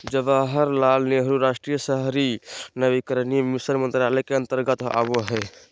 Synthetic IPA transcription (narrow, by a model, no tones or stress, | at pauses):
d͡ʒəbəɦəɾlalneɦəɾuɾasʈɾijəsəɦɾinəbikəɾnimisəɾmənt̪ɾaləkeənt̪əɾɡət̪a̰boɦɛ